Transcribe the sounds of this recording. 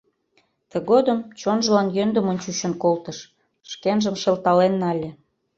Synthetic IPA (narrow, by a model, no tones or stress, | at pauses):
t̪ə̆ɣod̪ə̆mt͡ɕonʒə̆lɑnjønd̪ə̆monʲt͡ɕuʃə̆nkolt̪əʃ | ʃkenʒə̆mʃelt̪ɑlenːɑlʲĕ